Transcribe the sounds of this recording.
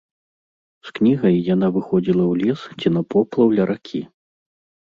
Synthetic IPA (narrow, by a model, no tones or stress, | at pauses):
sknʲiɣɐjːan̪avɨxɔd͡zʲilˠɐwlʲist͡sʲinɐpɔplˠɐwlʲɐɾʔakʲʰi